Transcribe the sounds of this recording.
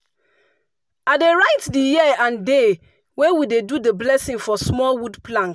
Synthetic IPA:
adeɹaɪtdijiãnde | wewidedudeblɛsĩŋfɔsmɔlwudplãŋk

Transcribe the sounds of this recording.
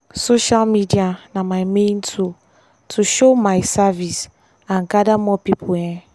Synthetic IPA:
soʃalmidianamajmẽntʰu | tʰuʃomajsavis | ãnɡadamɔpipʰulɛ̃n

